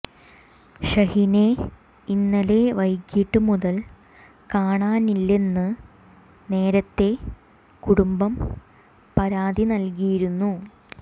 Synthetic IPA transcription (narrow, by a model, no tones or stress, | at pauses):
ɕɐhine | inːɐle̞ʋɐjkːiʈːɨmuðɐl | kaːɳaːnilːe̞nːɨ | ne̞ːɾɐt̪ːe̞ | kuɽumbɐm | pɐɾaːðinɐlkijiɾunːu